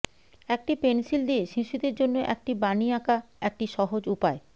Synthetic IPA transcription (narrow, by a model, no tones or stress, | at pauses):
ɛk̚ʈipensild̪ieʃiʃud̪eɾd͡ʑonːoʔɛk̚ʈibaniakaɛk̚ʈiʃɔɦod͡ʑupae